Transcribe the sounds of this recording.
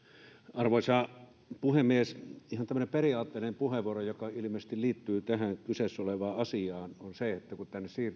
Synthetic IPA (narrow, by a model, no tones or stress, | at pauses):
ɑrʋoˑisɑː | puhemːiesihɑnt̪æmːəneperiɑːt̪ːeːˑinempuheʋˑuorojokɑil̆meːˑse̥st̪iliːt̪ːyːt̪æhæŋkysesːoleʋɑːɑsiɑːnonseet̪ːækut̪ænːessiːr